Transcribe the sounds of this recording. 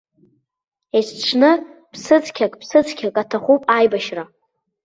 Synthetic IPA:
esʰʈ͡ʂʷʰnɨpʰsɨt͡sʰʼkʲʰakʼpʰsɨt͡sʰʼkʲʰakʼatʰaχupʼajbaʃra

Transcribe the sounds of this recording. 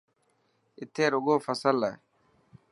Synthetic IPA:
ɪt̪ʰːeːɾʊɡoːfɐsɐlːɐj

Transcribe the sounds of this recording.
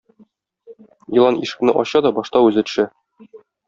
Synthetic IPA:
ilˠɑniʃɘ̥̆knɘʔɒɕɑd̪ɒbɒʃt̪ɑʉzɘ̆t̪ʃɘ

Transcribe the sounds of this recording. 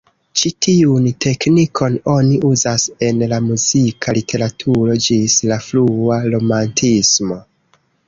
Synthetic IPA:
t͡ʃitʰiuntʰe̞knikʰo̞no̞niʔuzase̞nlamuzikʰalitʰe̞ɾatʰuɾo̞d͡ʒislafluaɾo̞mantʰismo̞

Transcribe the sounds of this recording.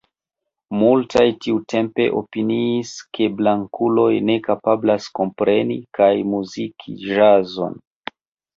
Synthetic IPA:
multʰajtiutʰe̞mpe̞̰ʔo̞̰piniːskʰe̞blaŋkulo̞jne̞kapablasko̞mpɾʔe̞nḭkʰajmuzikʰḭʒazo̞̰n

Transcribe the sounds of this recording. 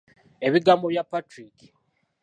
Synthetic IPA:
e̞βiɡamoβjapːatɾiki̥

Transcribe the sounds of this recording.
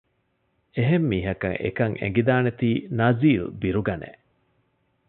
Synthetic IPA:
eɦemːiːɦɐkɐ̰ŋʔḛkɐŋḛŋɡid̪aːnet̪iːnɐziːlṵbiɾuɡɐnḛ

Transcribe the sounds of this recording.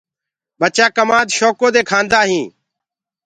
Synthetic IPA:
ɓət͡ʃaːkəmaːd̪ʃoːkoːd̪eːkʰãːnd̪aːɦĩː

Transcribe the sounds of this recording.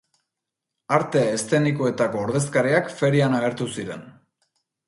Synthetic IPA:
aɾt̪e̞est̪e̞nikoe̞t̪ako̞ːɾðe̞skaɾiakfe̞ɾianaɣ̞e̞ɾt̪usiɾe̞̰n

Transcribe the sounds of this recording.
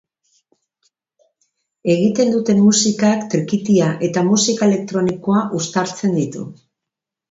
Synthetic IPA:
e̞ɣ̞it̪e̞nd̪ut̪e̞mːusikakt̪ɾikit̪iaʔe̞t̪amusikae̞le̞k̚t̪ɾo̞niko̞aʔust̪aɾt͡se̞nd̪it̪ṵ

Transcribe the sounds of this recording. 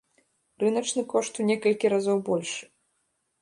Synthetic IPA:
rɨnɐt͡ʂnɨkɔʂt̪unʲɛkɐlʲkʲiɾazɔwbɔlʲʂɨ

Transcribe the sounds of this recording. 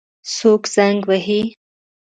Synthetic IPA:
sokz̥aŋɡwaɦi

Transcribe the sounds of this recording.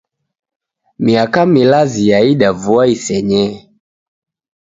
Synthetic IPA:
miakamilazijaiɗavuaisɛɲɛ

